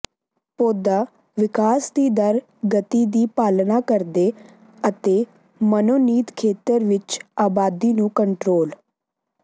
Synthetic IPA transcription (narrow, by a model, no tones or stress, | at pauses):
poːd̪aː | ʋɪkaːsd̪iːd̪əɾ | ɡət̪iːd̪iːpaːlnaːkəɾd̪eː | ət̪eː | mənoːniːt̪kʰeːt̪əɾʋɪt͡ʃaːbaːd̪iːnũːkəɳʈɾoːl